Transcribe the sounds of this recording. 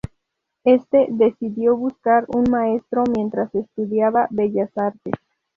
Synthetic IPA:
e̞st̪e̞ðe̞siðjo̞βuskaɾunmae̞st̪ɾo̞mjẽ̞nt̪ɾasest̪uðjaβaβe̞ʝasaɾt̪ḛs

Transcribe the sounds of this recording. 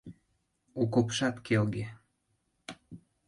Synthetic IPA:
okopʃɑt̪kʰelɡe

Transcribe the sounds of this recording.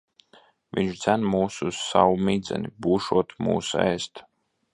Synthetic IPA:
vʲiɲʃd̪zænmuːsssawumid̪zɛ̰nibuːʃuɔt̪mṵːsɛ̰ːst̪

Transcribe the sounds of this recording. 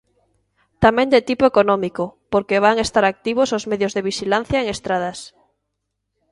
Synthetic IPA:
t̪amɛ̃nd̪et̪ipoekonɔmikopoɾkeβ̞aŋest̪aɾak̚t̪iβ̞osozmeðjozðeβiʃilan̟θjaeŋest̪ɾað̞as

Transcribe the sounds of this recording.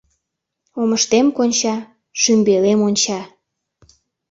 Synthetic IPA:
oməʃt̪emkonʲt͡ɕɑ | ʃymbelemonʲt͡ɕɑ

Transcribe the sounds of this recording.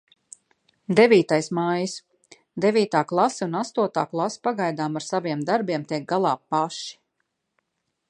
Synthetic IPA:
d̪evʲiːt̪ajsmajis | d̪evʲiːt̪aːklˠasɛunast̪uɔt̪aːklˠaspaɡajd̪aːmaɾsaviɛmd̪aɾbiɛmt̪ɛkɡ̚ɡalˠɑːpːaʃi̥

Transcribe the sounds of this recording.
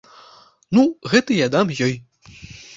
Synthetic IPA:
nuɣɛt̪ɨjad̪amjɔj

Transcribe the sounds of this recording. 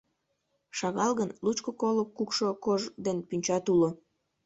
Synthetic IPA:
ʃɑɣɑlɣənlut͡ɕkokolokːukʃokoʒd̪enpynʲt͡ɕɑt̪ulo

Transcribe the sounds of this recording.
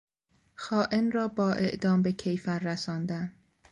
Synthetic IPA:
xɒːʔenrɒːbɒːʔe̞ʔd̪ɒːmbe̞cʰejfæɾːæsɒːnd̪æn

